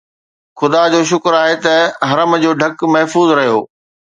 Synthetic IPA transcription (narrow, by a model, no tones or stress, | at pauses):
xʊd̪ad͡ʑoːʃ̬ʊkɾaːɦet̪ɐɦɐɾəmd͡ʑoːɖʱɐkmɐɦfuːzɾɐɦijo̰ː